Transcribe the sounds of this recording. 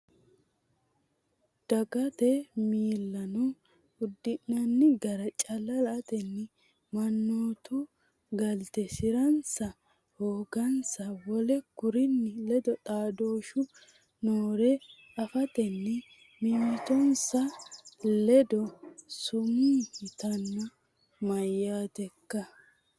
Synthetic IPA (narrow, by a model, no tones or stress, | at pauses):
d̪̥ɐɡɐt̪ɛmiːlːɐnɔ | ʊd̪ːɪnːɐnːɪɡɐɾɐt͡ʃʼɐlːɐlɐt̪ɛnːɪ | mɐnːoːt̪ʊ | ɡɐlt̪ɛsɪɾɐnsɐ | hoːɡɐnsɐwɔlɛkʊɾɪnːɪlɛd̪ɔt̪ʼaːd̪oːʃʊ | noːɾɛ | ɐfɐt̪ɛnːɛ | mɪmɪt̪ɔnsɐlɛd̪ɔsʊmuːhɪt̪ɐnːɐ | mɐjːaːt̪ɛkːɐ